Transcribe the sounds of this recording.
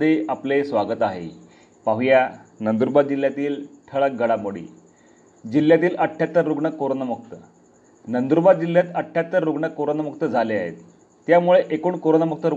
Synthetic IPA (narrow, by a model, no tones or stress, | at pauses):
d̪eaplesʋaɡət̪aɦḛ | paɦjanənd̪uɾbad̪̚d͡ʑilːjat̪iːlʈʰəɭək̚ɡəɭamoɽḭː | d͡ʑilːjat̪iːləʈʰːjat̪ːəɾːuɡɳəkːoɾonamuk̚t̪ə | nənd̪uɾbad̪̚d͡ʑilːjat̪əʈʰːjat̪ːəɾɾuɡɳəkːoɾonamuk̚t̪əd͡zʱalea̰ɦḛt̪ː | jamuɭeʔekuːɳkoɾonamuk̚t̪əɾu